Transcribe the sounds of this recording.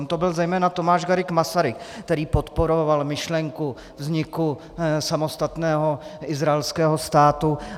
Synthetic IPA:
mt̪obɪlzɛjmɛːnat̪omaːʒɡaɾɪkmasaɾɪkkt̪ɛɾiːpot̪poɾovalmɪʃlɛŋku | vzɲɪku | samo̞st̪at̪nɛːɦoɪzɾaɛlskɛːɦost̪aːt̪u

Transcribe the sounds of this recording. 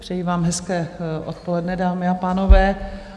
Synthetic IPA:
pr̥ɛjiːvaːmɦɛskɛːʔot̪̚po̞lɛdnɛdaːmɪapaːno̞vɛː

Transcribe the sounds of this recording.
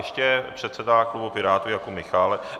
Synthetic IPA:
ʃcɛpr̝̥ɛt̪sɛdaklubopɪɾaːt̪ujakomɪxaːlɛ

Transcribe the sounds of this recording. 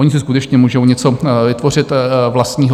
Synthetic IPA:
oɲɪsɪskut̪ɛt͡ʃɲɛmuːʒowɲɛt͡so̞vɪt̪vo̞rɪt̪vlast̪ɲiːɦ

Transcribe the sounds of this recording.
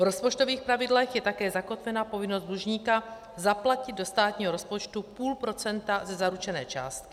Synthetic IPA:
vɾospot͡ʃt̪o̞viːxpɾavɪdlɛxjɛt̪akɛːzako̞t̪vɛnapo̞vɪnozd̪d̪luʒɲiːka | zaplacɪd̪̚do̞st̪aːt̪ɲiːɦoɾo̞spot͡ʃt̪upuːlpɾo̞t͡sɛnt̪azɛzaɾut͡ʃɛnɛ̰ːt͡ʃa̰ːst̪̚kɪ̥

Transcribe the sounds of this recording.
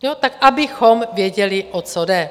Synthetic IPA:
jot̪akʔabɪxomvjɛɟɛlɪʔot͡sodɛ

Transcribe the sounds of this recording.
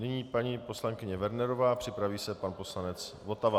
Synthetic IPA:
nɪɲiːpaɲiːpo̞slaŋkɪɲɛvɛɾnɛɾo̞vaːpr̝̥ɪpɾaviːsɛpanpo̞slanɛt͡s | vo̞t̪ava

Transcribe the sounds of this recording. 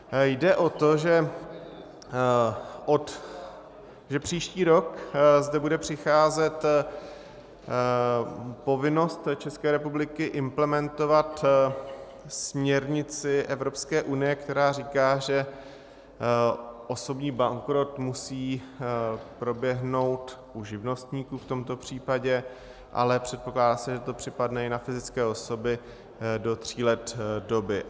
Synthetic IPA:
jdɛʔo̞t̪o̞ʒɛ | ʔot̪ | ʒɛpr̝̥iːʃciːɾo̞kzdɛbudɛpr̝̥ɪxaːzɛt̪ | po̞vɪno̞st̪t͡ʃɛskɛːɾɛpublɪkɪʔɪmplɛmɛnt̪o̞vat̪ | smɲɛɾɲɪt͡sɪʔɛvɾo̞pskɛːʔunɪjɛkt̪ɛɾaːriːkaːʒɛ | ʔoso̞bɲiːbaŋkɾo̞t̪musiː | pɾo̞bjɛɦno̞wt̪ʔuʒɪvno̞st̪ɲiːkuːft̪o̞mt̪o̞pr̝̥iːpaɟɛ | ʔa̰lɛpr̝̥ɛt̪̚poklaːdaːsɛʒɛt̪o̞pr̝̥ɪpadnɛɪnafɪzɪt͡skɛːo̞so̞bɪ | do̞t̪r̝̥iːlɛt̪do̞bɪ

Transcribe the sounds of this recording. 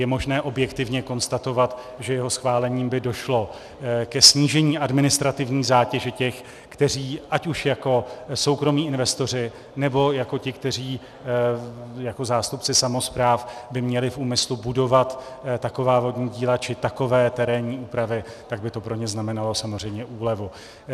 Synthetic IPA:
jɛmo̞ʒnɛːʔo̞bjɛkt̪ɪvɲɛko̞nst̪at̪o̞vat̪ | ʒɛjɛɦo̞sxvaːlɛɲiːmbɪdo̞ʃlo̞ | kɛsɲiːʒɛɲiːʔadmɪnɪst̪ɾat̪ɪvɲiːzaːcɛʒɛcɛx | kt̪ɛr̝iːʔacuʃjako̞so̞wkɾo̞miːɪnvɛst̪o̞r̝ɪ | nɛbo̞jako̞cɪkt̪ɛr̝iː | jako̞zaːst̪upt͡sɪsamo̞spɾaːfbɪmɲɛlɪfʔuːmɪslubudo̞vat̪t̪ːako̞vaːvo̞dɲiːɟiːlat͡ʃɪt̪ako̞vɛːt̪ɛɾɛːɲiːuːpɾavɪ | t̪aɡ̚bɪt̪o̞pɾo̞ɲɛznamɛnalo̞samozr̝ɛjmɲɛʔuːlɛvu

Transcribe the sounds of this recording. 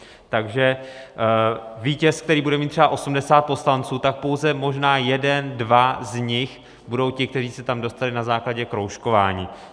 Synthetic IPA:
t̪aɡʒɛ | viːcɛsk̚t̪ɛɾiːbudɛmiːt̪r̥ɛbaʔo̞sumdɛsaːt̪̚po̞slant͡suːt̪ak̚po̞wzɛmo̞ʒnaːjɛdɛndvazɲɪx | budo̞wcɪk̚t̪ɛriːsɛt̪amdo̞st̪alɪnazaːklaɟɛkɾowʃko̞vaːɲiː

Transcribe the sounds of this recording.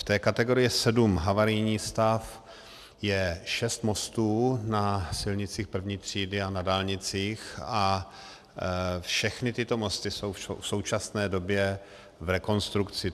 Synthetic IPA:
ft̪ɛːkat̪ɛɡo̞ɾɪjɪsɛdumɦavaɾɪjɲiːst̪af | jɛʃɛst̪mo̞st̪uːnasɪlɲɪt͡siːxpr̩vɲiːt̪r̝̥iːdɪanadaːlɲɪt͡siːxa | fʃɛxnɪt̪ɪt̪o̞most̪ɪso̞wfʃo̰wfso̞wt͡ʃasnɛːdo̞bjɛ | vɾɛko̞nst̪ɾukt͡sɪ

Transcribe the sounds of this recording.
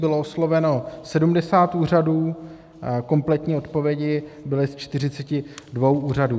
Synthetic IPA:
bɪlooslo̞vɛno̞sɛdumdɛsaːt̪uːr̝aduː | ko̞mplɛt̪ɲiːo̞t̪po̞vjɛɟɪbɪlɪst͡ʃt̪ɪr̝ɪt͡sɛcɪdvo̞wʔuːr̝aduː

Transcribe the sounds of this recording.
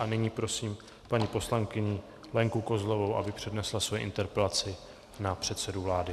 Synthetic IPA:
ʔanɪɲiːpɾo̞siːm | paɲipo̞slaŋkɪɲɪ | lɛŋkuko̞zlo̞vo̞wʔa̰bɪpr̝̥ɛdnɛslasvojɛ̰ʔɪ̰nt̪ɛɾpɛlat͡sɪ | napr̝̥ɛt̪sɛduvlaːdɪ

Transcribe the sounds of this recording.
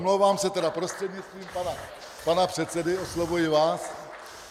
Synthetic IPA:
mlowvaːmsɛt̪ɛdapɾost̪r̥ɛdɲɪst̪viːmpana | panapr̝̥ɛt̪t͡sɛdɪoslovujɪvaːs

